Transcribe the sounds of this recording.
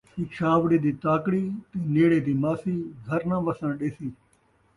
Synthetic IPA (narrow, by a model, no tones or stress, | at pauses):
iːkt͡ʃaːʋɽiːd̪iːt̪aːkɽiːt̪iːneːɽeːd̪iːmaːsiːɡʱəɾnãːʋəsə̃nɗeːsĩː